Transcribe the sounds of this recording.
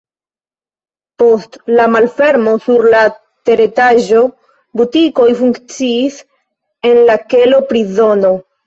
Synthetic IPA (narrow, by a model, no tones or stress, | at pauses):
po̞stlamalfe̞ɾmo̞suɾla | te̞ɾe̞taʒo̞ | butiko̞jfuŋkt͡siːs | e̞nlake̞lo̞pɾizo̞no̞